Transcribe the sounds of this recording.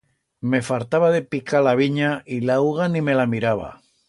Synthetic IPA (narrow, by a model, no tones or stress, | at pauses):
me̞falt̪aβaðe̞pikʰalaβiɲaʔilawɣanĩme̞lamiɾaβa̰